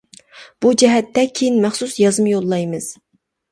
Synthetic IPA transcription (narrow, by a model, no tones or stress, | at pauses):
b̥ud͡ʒɛɦɛt̪ːɛkʲʰejinmæχsusjɑzmjolˠːɑjmɨz̥